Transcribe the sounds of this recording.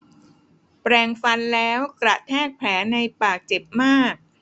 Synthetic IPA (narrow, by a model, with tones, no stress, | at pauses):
pɾɛː˨˩ŋfa˧nlɛː˦˥wkɾa˨˩t̪ʰɛː˥˩k̚pʰɛː˩˦˥na˧jpaː˨˩k̚t͡ɕe˨˩p̚maː˥˩k̚